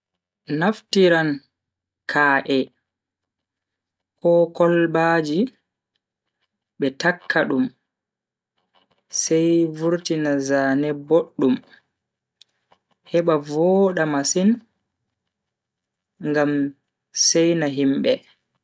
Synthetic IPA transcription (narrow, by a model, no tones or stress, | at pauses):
naftiɾan | kʰaːʔɛ | kɔkɔlbad͡ʒi | ɓɛtakʰːaɗum | sɛjvuɾtinazaːnɛboɗːum | hɛɓavɔɗamasin | ŋɡam | sɛjnaɦimbɛ